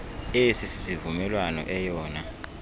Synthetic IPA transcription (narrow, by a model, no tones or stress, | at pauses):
esisi̥sivumɛlwanɔ̰ʔɛjɔːna